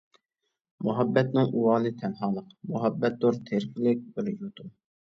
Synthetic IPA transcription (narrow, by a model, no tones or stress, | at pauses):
muɦɑbːɛt̪nɪŋʔuwɑːnɨt̪ʰɛnɦɑːlˠəqmuɦɑbːɛt̪̚d̪uɾt̪ʰeɾkʲɪlɪk̚ʲbɪɾjut̪ʰum